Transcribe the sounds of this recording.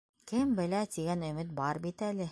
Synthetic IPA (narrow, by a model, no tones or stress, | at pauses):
kɘmbɘ̆læt̪iɡænɵ̆mɘt̪̚bɑɾbit̪ælɘ